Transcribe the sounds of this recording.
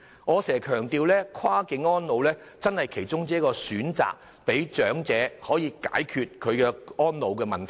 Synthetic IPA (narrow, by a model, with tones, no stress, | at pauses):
ŋɔː˨˧sɛː˨˩kʰœː˨˩ŋt̪iː˧wlɛː˥kʰwaː˥kɪ˨˥ŋɔː˥nlo˨˧wlɛː˥ | t͡sɐ˥nhɐ˨jkʰe˨˩jt͡sʊ˥ŋt͡siː˨˥kːɔː˧syː˨˥nt͡sa̰ː˨k̚ | pe˨˥jt͡ʃœː˨˥ŋt͡sɛː˨˥hɔː˨˥jiː˧ka̰ː˨˥jkʰyː˨t̚kʰɵ˨˧ɥkɛː˧ɔː˥nlo˨˧wkɛː˧mɐ˨˩nt̪ʰ